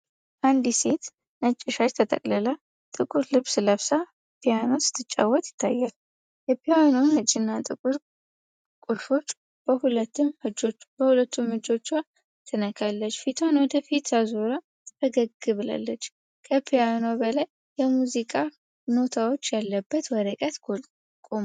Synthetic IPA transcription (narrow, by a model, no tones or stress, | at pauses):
ʔand̪iset̪ | nət͡ʃʼːɪʃat͡ʃt̪ʰət̪ʰʼə̰kʼlɨla | t̪ʼɨkʼuɾlɨβsɨləβsa | pʰijanosɨ̥t̪ʰːɨt͡ʃʼːa̰wːɔt̪ʼjɪ̥t̪ʰːajːal | jɛpʰijanonhɨt͡ʃʼɪnːat̪ʼɨkʼuɾ | kʼulfo̞t͡ʃː | b̥əhulət̪ːɨmhɨd͡ʒob̥əhulət̪ʰːumhɨd͡ʒo̞t͡ʃːwa | t̪ʰɨnəkʰalːət͡ʃːfit̪ʰwanwɔd̪əfit̪azoɾa | t̪ʰəɡəɡːɨβɨla̰lːət͡ʃː | kʰəpʰijanobəlajːɛmuzikʼa | no̞t̪ʰawo̞t͡ʃːjalːəbːət̪wɔɾəkʼət̪o | kʼom